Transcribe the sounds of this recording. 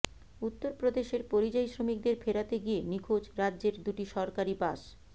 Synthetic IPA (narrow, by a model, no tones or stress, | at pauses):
ut̪ːoɾpɾod̪eʃeɾpoɾid͡ʑajsɾomik̚d̪eɾfʰeɾat̪eɡienikʰod͡ʑɾadːʑeɾd̪uʈiʃɔɾkaɾibaʃ